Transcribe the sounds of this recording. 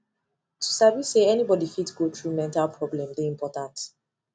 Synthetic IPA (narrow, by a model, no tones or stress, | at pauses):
tʰu̥saviseɛnibɔdifitsɡotɹumɛ̃ntalˠpʰɹɔblɛ̃mdeĩmpʰɔtãnt